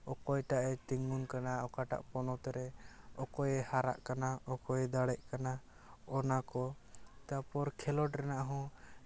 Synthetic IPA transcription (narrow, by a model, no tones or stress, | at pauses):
ɔkɔjʈaʔɛt̪iŋunkanaɔkaʈa̰ʔpɔnɔt̪ɛɾɛɔkɔjɛhaɾa̰ʔkanaɔkɔjɛd̪aɽɛʔkana | ɔnakɔt̪apɔɾkʰɛlɔʈɾɛnaʔɦɔ̃